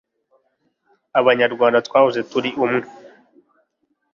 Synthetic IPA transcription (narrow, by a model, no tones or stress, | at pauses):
aβaɲaɾɡwaːndatkwaːhuze̞tuɾiʔumŋe